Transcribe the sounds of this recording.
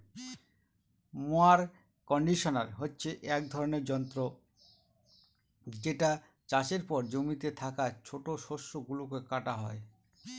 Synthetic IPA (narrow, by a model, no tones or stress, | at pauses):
moaɾ | kɔɳɖiʃona̰ɾɦotːɕʰeʔɛk̚d̪ʱɔɾoneɾd͡ʑɔnt̪ɾo | d͡ʑeʈa | t͡ɕaʃeɾpɔɾd͡ʑomit̪et̪ʰakat͡ɕʰoʈoʃoʃoɡulokekaʈaɦɔe